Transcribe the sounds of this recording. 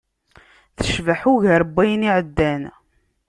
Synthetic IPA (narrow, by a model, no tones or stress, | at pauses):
θə̥ʃvaħʊʝəɾəbːæjniʕəd̪ːæn